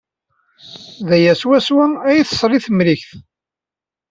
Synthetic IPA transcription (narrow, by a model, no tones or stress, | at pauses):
ðæjæswæswaæjiθsˤɾˤiθmliçθ